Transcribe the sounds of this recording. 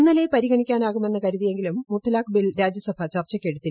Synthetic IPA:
nːɐlepɐɾiɣɐɳikʲːaːnaːɣume̞nːɐkɐɾuðije̞ŋɡilumːut̪ʰːɐlaːkbilɾaːd͡ʑjɐsɐbʱat͡ɕɐrt͡ɕːɐkʲːeɽut̪ːi

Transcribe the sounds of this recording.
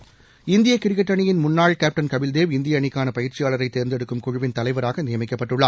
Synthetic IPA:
ɪnd̪ɪjɐkːɪɾɪkːɐʈːɐɳɪjɪnmʊnːaːɭkaːp̚ʈɐnkɐʋɪld̪eːʋɪnd̪ɪjɐɳɪkːaːnɐpɐjɪɾt͡ʃːɪjaːɭɐɾɐɪt̪ːeːɾnd̪ɛɽɯkːɯmkʊɻɯʋɪnt̪ɐlɐɪʋɐɾaːɣɐnɪjɐmɪkːɐpːɐʈːɯɭːaː

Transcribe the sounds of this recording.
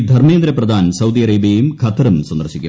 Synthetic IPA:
d̪ʱɐrmeːnd̪ɾɐprɐd̪ʱaːnsɐwd̪ijɐɾeːbjɐjumkʰɐt̪ːɐɾɐmswɐnd̪ɐrɕikʲːṵ

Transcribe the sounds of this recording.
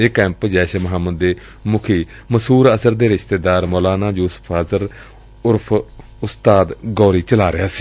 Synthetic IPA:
eːkɛ̃ːmpd͡ʒɛːʃmɦaːmːəd̪ːeː | mʊkʰiː | məsuːɾəsəɾd̪eːɾɪʃt̪eːd̪aːɾmɔːlaːnaːd͡ʒuːsə̥pʰəzəɾ | ʊɾpʰ | ʊst̪aːd̪ɡɔːɾiːt͡ʃəlaːɾɪjaːsi̥ː

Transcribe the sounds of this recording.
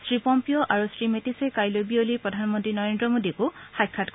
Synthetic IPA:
stɹipɔmpijɔʔaɹusɹimetisɛkajlojbiolipɹɔdʱanmɔntɹinɔɹendɹɔmodikʊxajkʰːatk

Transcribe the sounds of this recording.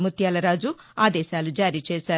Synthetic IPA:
mut̪jaːlɐɾaːd͡ʒu | aːd̪ɛːʃaːlud͡ʒaːɾiːt͡ʃeːʃaː

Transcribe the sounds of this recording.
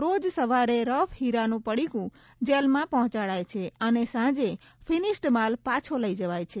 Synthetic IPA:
ɾod͡ʒsəʋaɾeɾəfhiɾanũpəɽikũ | d͡ʒelmãpəɦt͡ʃaɭajt͡ʃʰeənesãd͡ʒe | fʰinisʈmalpat͡ʃʰoləid͡ʒəʋajt͡ʃʰe

